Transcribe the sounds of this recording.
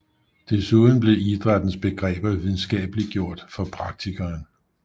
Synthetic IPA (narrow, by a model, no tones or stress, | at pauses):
d̥e̝suːðˠn̩b̥le̝id̥ʁɑd̥n̩sb̥e̝ɡ̥ʁɛ̰ːb̥ɐʋiðˠn̩sɡ̥ɛ̰ːb̥əliɡ̥jo̝ɐ̰d̥fɒ̽pʰʁɑ̈ɡ̥̚t͡sʰiɡ̥ɐːn